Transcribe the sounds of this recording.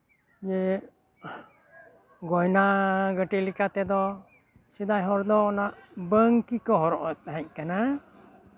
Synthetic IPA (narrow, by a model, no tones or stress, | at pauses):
jɛ | ɡɔjnaɡəʈilikat̪ɛd̪ɔ | sid̪ajɦɔɾd̪ɔːnaʔbəŋkikɔɦɔɾɔʔɔt̪ɦɛ̃ɲ̚kana